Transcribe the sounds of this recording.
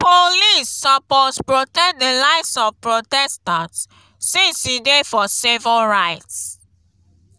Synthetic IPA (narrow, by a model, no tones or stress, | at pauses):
polisːapɔspɹotɛk̚dəlaɪsɔfpɹotɛstãnt | sĩsidefɔsivəlɹaɪts